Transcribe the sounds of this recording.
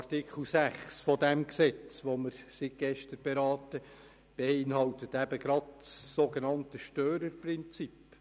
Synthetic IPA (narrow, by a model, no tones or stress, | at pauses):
ɑrtikχl̩sæχsfɔdɛmksɛt͡sʋoməɾsiɡ̥ɛʃtəɾb̥eɾɑːtə | b̥eɪnhɑltətæbəɡ̥ɾɑdsːoɡenɑntəʃtøːɾəɾprɪnt͡sip